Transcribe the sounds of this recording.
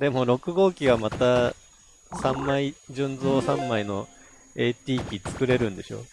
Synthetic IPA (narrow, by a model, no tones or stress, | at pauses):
d̪e̞mo̞ɾo̞kɯ̟ɡo̞ːkʲiɡamat̪a | sãmːaid͡ʑɨ̃nd͡zo̞ːsãmːaino̞ | e̞ːt̪ʲiːkʲit͡sɨ̥kɯ̟ɾe̞ɾɯ̟̃nd̪e̞ɕo̞̰